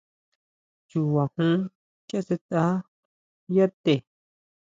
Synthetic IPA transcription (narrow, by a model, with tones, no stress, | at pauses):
t͡ʃu˨wa˨hũ˦ | ke˦se˧t̪a˦ | ja˦t̪e˨